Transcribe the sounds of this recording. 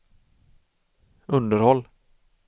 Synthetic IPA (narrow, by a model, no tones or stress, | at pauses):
ɵnd̪əɾhɔlː